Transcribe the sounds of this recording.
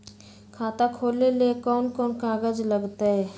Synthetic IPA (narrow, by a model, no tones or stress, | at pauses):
kʰaːt̪akʰoːlelekɔːnkɔːnkãːɡəd͡ʒləɡt̪aɦɛ